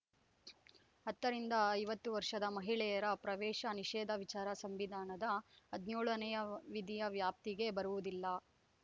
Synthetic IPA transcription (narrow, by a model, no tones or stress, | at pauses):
ɦɐt̪ːɐɾind̪ɐːjʋɐt̪ːuʋɐɾʂɐd̪ɐmɐɦiɭɛjɐɾɐpɾɐʋɛːʃɐniʃɛːd̪ʱɐʋit͡ʃaːɾɐsɐmʋid̪ʱaːnɐd̪ɐːd̪njoːɭɐnɛjɐʋid̪ʱijɐʋjaːp̚t̪iɡe̞bɐɾuʋud̪ilːɐ